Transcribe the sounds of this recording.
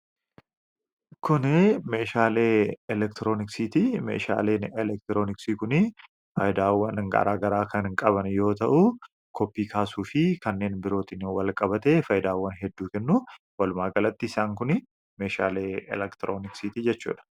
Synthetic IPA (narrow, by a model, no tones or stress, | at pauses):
kʊnɛme̞ːʃaːleːɛlɛkt̪ɪɾoːnɪksit̪imḛːʃa̰ːle̞ːnɛlɛk̚t̪ɪɾo̞ːnɪksiːkʊnɪ | fɐjɪd̪aːwːɐnŋɡɐ̰ɾaːɡɐɾaːkʰɐnhɪŋkʼɐβɐnjo̞ːt̪ɐʔʊ | kʰɔpːiːkʰaːsuːfɪkɐnːe̞ːnbɪɾo̞ːt̪ɪnwɐlkʼɐbɐt̪eːfɐjɪd̪aːwːɐnɦɛd̪ːuːkɛnːuː | wɐlʊmaːɡɐlɐt̪ːɪɪsaːŋkʊnɪ | meːʃa̰ːleːɛ̰lɛkt̪ɪɾʔoːnɪksit̪iːd͡ʒɛt͡ʃːṵːᶑɐ̥